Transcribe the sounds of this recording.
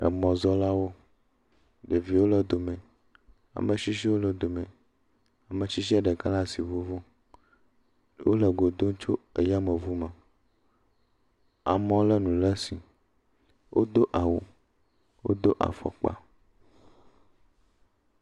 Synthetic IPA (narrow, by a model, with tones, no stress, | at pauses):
ə̰˨mɔ̃˨zɔ˦la˦wo˦ | ɖe˨vi˨wo˦lə˦d̪o˨mɛ̃˨ | a̰˨mẽ˨ʃi˦ʃ̬i˦wo˦lə˦d̪o˨mɛ̃˨ | a˨mẽ˨t͡ʃi˦ʃ̬i˦ɛ˦ɖɛ˨ka˦la˦si˨vu˦vo˦ | wo̰˦lə˨ɡo˨d̪o˦ŋ˦t͡ʃo˦e˨ja˦mə˨vu˦mɛ˨ | a̰˨mɔ̃˦lə˦nũ˨lə˦si˨ | wʔo̰˦d̪o˦ʔa˨wo˨ | wo̰˦d̪o˦ʔa̰˨fɔ̰˨k͡pa̰˨